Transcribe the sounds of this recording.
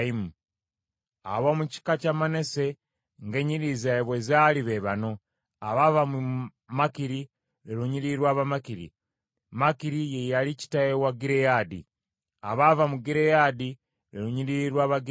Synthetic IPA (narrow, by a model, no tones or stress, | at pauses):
imu | aβomuci̥kacamane̞se̞ | ŋɡeɲiɾizaeβwezaliβeβano̞ | aβavam | makiɾi | ɾeɾuɲiɾiɾwaːβamakiɾḭ | makiɾijejalici̥tajewaɡiɾejadḭ | aβavamuɡiɾejadi | ɾeɾuɲiɾiɾwaːβaɡi